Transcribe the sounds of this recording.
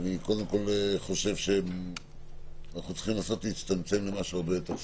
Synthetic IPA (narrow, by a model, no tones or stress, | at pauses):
niko̞d̪e̞mko̞lχo̞ʃe̞vʃe̞ | anaχnut͡si̥χimlaːso̞t̪leit͡st̪amt͡se̞mlemaʃuaʁbe̞jot̪eʁ